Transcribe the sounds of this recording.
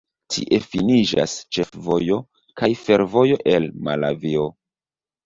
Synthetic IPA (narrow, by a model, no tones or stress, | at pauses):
tʰḭʔe̞finid͡ʒa̰st͡ʃe̞fvo̞jo̞ | kajfe̞ɾvo̞jo̞ʔe̞lmala̰vio̞